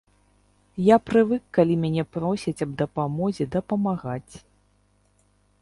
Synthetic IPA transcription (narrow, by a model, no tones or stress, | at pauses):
japɾɨvɨkːalʲimʲanʲɛpɾɔsʲit͡sʲɐb̚d̪ɐpamɔzʲɛd̪ɐpɐmaɣat͡sʲ